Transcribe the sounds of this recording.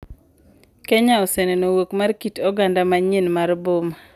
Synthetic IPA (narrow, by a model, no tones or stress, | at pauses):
kɛɲaɔsenenowokmarkitɔɡandamaɲenmarboma